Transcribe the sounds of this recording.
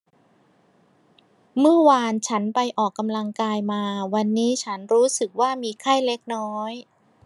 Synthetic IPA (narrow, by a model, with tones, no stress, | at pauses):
mɯ˥˩ɐwaː˧nt͡ɕʰa˦˥npa˧jʔɔː˨˩kːa˧mla˧ŋkaː˧jmaː˧wa˧nːiː˦˥t͡ɕʰa˦˥nɾuː˦˥sɯ˨˩k̚waː˥˩miː˧kʰa˥˩jle˦˥k̚nɔː˦˥j